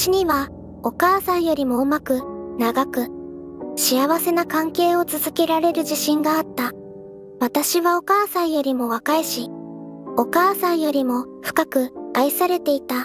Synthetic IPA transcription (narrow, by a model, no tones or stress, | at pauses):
ɕiɲ̟iβa | o̞kaːsãɰ̃jo̞ɾʲimo̞ɯ̟makɯ̟naɡakɯ̟ | ɕiaβase̞nakãŋke̞ːo̞t͡sɨzɨkʲe̞ɾaɾe̞ɾɯ̟ʑiɕĩŋɡaːt̪ːa | βat̪aɕiβao̞kaːsãɰ̃jo̞ɾʲimo̞βakaeɕi | o̞kaːsãɰ̃jo̞ɾʲimo̞ɸɯ̟̥kakɯ̟aisaɾe̞t̪e̞it̪a